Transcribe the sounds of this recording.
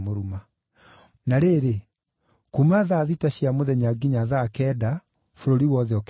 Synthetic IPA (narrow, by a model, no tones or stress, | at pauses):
moɾuma | naɾeːɾe | kumaðaːðitaɕiamoðɛɲaɡiɲaðaːkɛːda | foɾoɾiwɔðɛɔk